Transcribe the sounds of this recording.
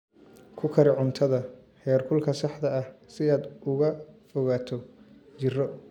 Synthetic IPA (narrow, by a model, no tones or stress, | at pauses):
kʰʊkʰɐɾɪʕʊnt̪ʰɐðɐ | hɛːrkʰʊlkʰɐsɑħd̪ɐɐhsɪaːd̪ʊɣɐfɔɣaːt̪ʰɔt͡ʃɪrɔ